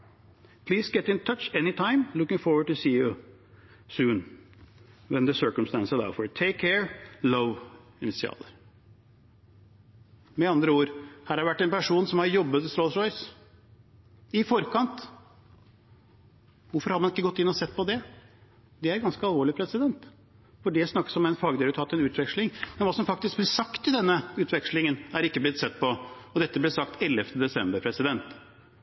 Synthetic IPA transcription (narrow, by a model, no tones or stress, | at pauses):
pʰliːsɡɛt̪ɪ̃nt̪ʰʌt͡ʃɛnɪt̪ʰãɪ̃mlʊkɪ̃ŋfɔɹwəɖ̚ʈʉsiːo | sʉːn | wɛnðəsɜ˞kəmst̪æ̃nsəla̰ʊfɔt̪ʰeɪkʰɛɹloʋ | ɪnɪtsɪɑ̰ːləɾ | mɛɑnd̪ɾəuːɾhæːɾhɑɛʋæʈːɛnpæʂuːnsɔmhɑɾjɔbːət̪st̪ɾɔsɾɔɪs | ɪfɔɾkɑnt̪ | ʋʊɾfɔɾhɑdmɑnɪkːəɡɔt̪ːɪnːɔsɛt̪ːpɔd̪ɛ | d̪ɛæɾɡɑnskəɑlˠʋoːɭɪpʰɾɛsɪd̪ɛnt̪ | fɔɖɛsnɑkːə̥sɔmɛɪnfɑːɡəd̪ɛɾət̪ʰɑːt̪ːɛnʉːt̪ʋɛkʂlɪŋmɛnʋɑːsɔmfɑkt̪ɪsk̚blɪsɑkt̪ɪd̪ɛnːəʉːt̪ʋɛkʂlɪŋənæɾɪkːəblɪt̪sɛt̪ːpɔɔd̪ɛt̪ːəblɪsɑkt̪ɛlːɛft̪ʰəd̪ɛsɛmbəɾpʰɾɛsɪd̪ɛnt̪